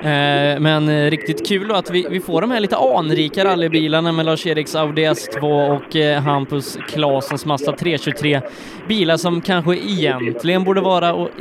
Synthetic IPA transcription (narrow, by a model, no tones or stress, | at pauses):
mɛnɾɪk̚t̪ɪt̪kʰʉ̟ːld̪ɔat̪vɪvɪfoːɖɔmhæɾɭiːt̪əʔɑːnɾiːkaɾalːəbiːlaɳamɛlɑːʂeːɾɪksaʊd̪ɛɛst̪ʰvoːɔkːɦampəskʰlɑːsənsmasːat̪ʰɾeːɕɵt̪ʰɾeː | biːlaʂɔmkʰanɧəʔɪjɛnt̪ʰlɪɡənbuːɖəvɑːɾaɔ